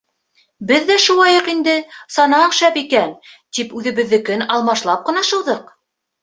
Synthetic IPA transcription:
bɘðːæʃulˠɑjɤqind̪ɘsɑnɑɴʃæpikænt̪ipʉðɘ̆βɘ̆ðːɘ̆kɘnɑlˠmɑʃlˠɑp̚qɤ̆nɑʃɤ̆wðɤq

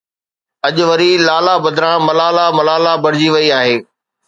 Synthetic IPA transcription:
ɐʄʊʋɐɾilaːlabɐd̪ʱɾãːmɐlaːlamɐlaːlabɐɽɪd͡ʑiʋɐiaːɦeː

